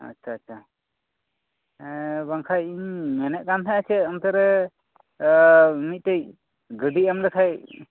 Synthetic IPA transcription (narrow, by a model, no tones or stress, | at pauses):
a̰tːt͡ʃʰaːtːt͡ʃʰa | baŋkʰajiɲmɛnɛʔ̚kant̪ʰaat͡ʃʰɛəmt̪aɾɛ | mit̪̚tej | ɡəɖiamlɛk̪ʰaj